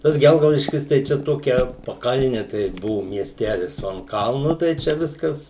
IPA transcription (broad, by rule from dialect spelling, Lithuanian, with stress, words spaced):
tɐs ˈɡʲɛlˠɡɐʊdʲɪʃʲkʲɪs tɐɪ ˈt͡ʃʲɛ ˈtoːkʲɛ pɐˈkɐlʲnʲɪ tɐɪ ˈbʊʋʊ mʲiɛsʲˈtʲæːlʲɪs oː ɐn ˈkɐlˠnʊ tɐɪ ˈt͡ʃʲɛ ˈʋʲɪskɐs